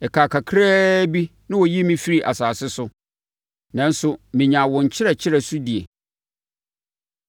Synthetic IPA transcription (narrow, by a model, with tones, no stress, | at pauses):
ɛ˨kʰa˨kʰa˨kʰɾɛː˦bi˦nɪ̃˦wɔ˨ji˦mĩ˦fi˦ɾi˨ʔa̰˨saː˨sɪ˦sʊ˦ | nã˦n̩˦sʊ˨mĩ˨ɲã˨wɔ̃˨ɲ˨t͡ɕʰɪ˦ɾɛ˨t͡ɕʰɪ˦ɾɛ˨sʊ˦di˨ḛ˨